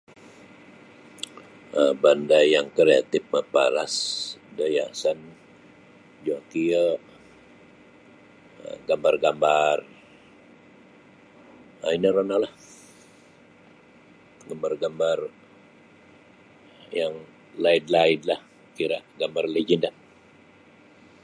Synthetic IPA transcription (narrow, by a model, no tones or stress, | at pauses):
əbandajaŋkɾea̰t̪ɪfməpa̰la̰sdajasan | d͡ʒoakiəʔ | ə̰ɡambarɡambar | ainəɾanalah | ɡambarɡambar | jaŋ | laɪdlaɪdlah | kiɾaʔɡambarled͡ʒinda